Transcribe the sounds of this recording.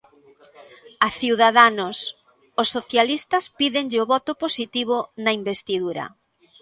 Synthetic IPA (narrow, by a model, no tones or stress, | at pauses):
aθiwðaðanʊs | ʊsːoθjalist̪ɐspiðeŋʎɪoβɔt̪ʊposit̪iβ̞ʊnɐimbest̪iðuɾɐ̰